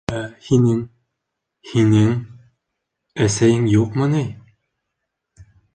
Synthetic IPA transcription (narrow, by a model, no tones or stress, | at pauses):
æhinɘŋ | hinɘŋ | æsæjɘŋjuqmɤnɘj